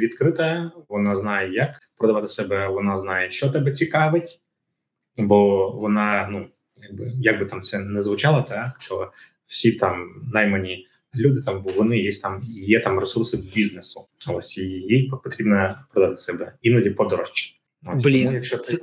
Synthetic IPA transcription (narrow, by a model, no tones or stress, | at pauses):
ʋʲit̪kɾɪt̪ɐʋɔnɑznɑjɛjɐkpɾɔd̪ɐʋɑt̪ɪ̥sɛbɛʋɔnɑznɑjɛʃt͡ʃɔt̪ɛbɛt͡sʲikɑʋɪtʲ | bɔʋɔnɑnu | jaɡ̚bɪjaɡ̚bɨt̪ɑmt̪sɛnɛzʋʊt͡ʃɑlˠɐt̪ɑt̪ɔ | w̥sʲit̪ɑmnɑjmɐnʲi | lʲud̪ɪt̪ɑmʋɔnɪjesʲtʲt̪ɑmijɛt̪ɑmresursɪbʲiznesʊ | osʲijippɔt̪ɾʲibnɐpɾɔd̪ɐat̪ɪ̥sɛbɛinɐdʲipɔd̪ɔɾɔʃt͡ʃi̥ | osʲblʲijɐkʃt͡ʃɔt̪